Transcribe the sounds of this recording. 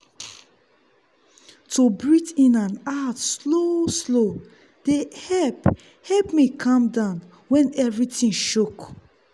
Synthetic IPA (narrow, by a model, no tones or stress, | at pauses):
tʰubɹitĩnãnatsloslo | d̥ehɛlp | hɛpmikʰãmdãʊ̃n | wɛ̃nɛvɹitĩnʃuk